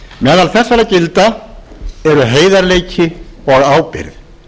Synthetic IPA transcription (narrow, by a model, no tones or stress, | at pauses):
mɛːðalθɛsːaɾacɪlt̪a | ɛɾʏɦeːjðaɾleːjcʰɪɔɣaːwpɪ̰ɾð